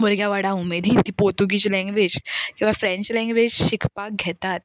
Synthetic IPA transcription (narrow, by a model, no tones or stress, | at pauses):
ʋəɾɡjaʋaɽaumːed̪ʱiːnt̪ipot̪uɡit͡ɕlɛ̃ŋɡʋed͡ʑkĩʋafɾɛ̃ɲt͡ɕlɛ̃ŋɡʋed͡ʑɕikʰpak̚ɡʱɛt̪at̪̚